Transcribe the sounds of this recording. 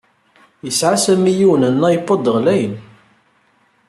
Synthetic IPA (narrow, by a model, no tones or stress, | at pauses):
jəsʕasæmijiwənənːæjəpːɑd̪əʁlæjən